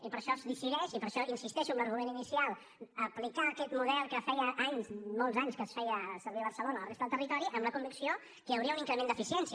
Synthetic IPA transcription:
ipəɾʃɔzðisiðɛʃipəɾʃɔʔinsist̪ɛʃuəmləɾɣumeninisialˠ | əplikaːkɛt̪muðɛlˠkəfɛjəʔaɲzmɔlˠzaɲskəsfɛjəsəɾβiəβəɾsəlonələresəðəlˠt̪ərit̪ɔɾiʔəmləkumbiksio | kəjəwɾiəuniŋkɾəmend̪əfisiɛnsi

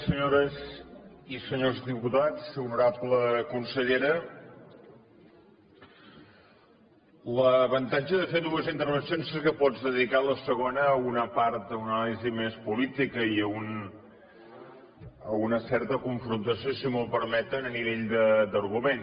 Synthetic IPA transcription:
səɲoɾəzisəɲozdiput̪at͡sunuɾapləkunsəʎeɾə | ləβənt̪ad͡ʒəðəfeðuəzint̪əɾβənsijonsekəpɔd͡zðəðikaləsəɣonəːunəpaɾt̪̚d̪əunalizimespulit̪ikəiəun | əunəsɛɾt̪əkuɱfɾunt̪əsijosimolˠpəɾmɛt̪ənəniβeʎd̪əd̪əɾɣumen

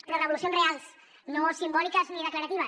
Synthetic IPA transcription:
lərəβulusionzrealˠs | nosimbɔlikəzniðəklaɐɾɐt̪iβ̞ɐs

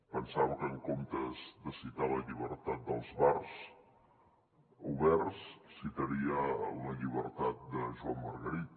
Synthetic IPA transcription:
pənsawkəŋkomt̪əzd̪əsit̪aləʎiβəɾt̪at̪̚d̪əlˠzβars | uβɛrssit̪əɾiəunəʎiβəɾt̪at̪̚d̪əʒuamːəɾɣəɾit̪̚

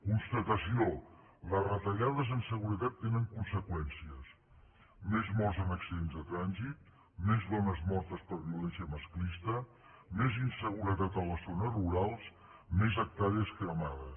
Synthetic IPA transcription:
kunst̪ət̪əsio | lərət̪əʎaðəzənsəɣuɾət̪at̪ːenəŋkunsəkwɛnsiəs | mezmɔzənəksenzðət̪ɾanzit̪̚ | mezðɔnəzmɔɾt̪əspəɾβiulɛsiəməsklist̪ə | mezinsəɣ̞uɾət̪at̪ələzonəruɾalˠs | mezək̚t̪aɾiəskəmaðə

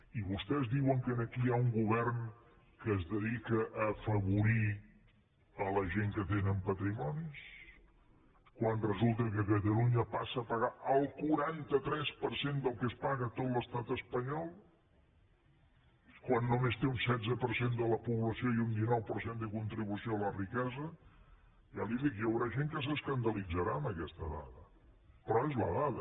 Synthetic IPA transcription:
iβust̪ɛzðiwəŋkənəkiauŋɡuβɛrn | kəːzðəðikəʔːfəβuɾi | ələʒeŋkət̪enəmpət̪ɾimɔnis | kwanrəzulˠt̪əkətkət̪əluɲəpasəːpəɣaʔəlˠkuɾant̪ət̪ɾɛspəɾsend̪əlˠkəspaɣət̪ot̪ləst̪at̪əspəɲɔlˠ | kwanːumest̪eunsɛd͡zəpəɾsend̪ələpuβləsioiund̪inɔwpəɾsend̪əkunt̪ɾiβusioələrikɛzə | jaliðikjəwɾaʒeŋkəs̬əskənd̪əlid͡zəɾaəmbəkɛst̪əða̰ðə | pɾɔezlə̰ðaðə

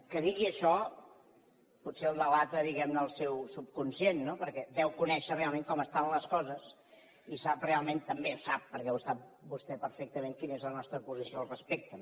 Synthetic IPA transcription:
kəðiɣiəʃɔ | putseəlˠd̪əlat̪əðiɣɛmnəːlˠsɛwsup̚kunsjenːopəɾkɛd̪ɛwkunɛʃərealˠmeŋkɔməst̪anləskɔzəs | isaprealˠment̪əmbeusap̚ːəɾkɛwəst̪at̪̚bust̪ɛpəɾfɛk̚t̪əmeŋkinezlənɔst̪ɾəpuzisioəlˠrəspek̚t̪ə

